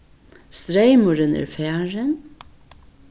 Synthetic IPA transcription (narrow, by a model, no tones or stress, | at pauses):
st̪ɾeɪmʊɾənɛ̰ːɾfæːɹən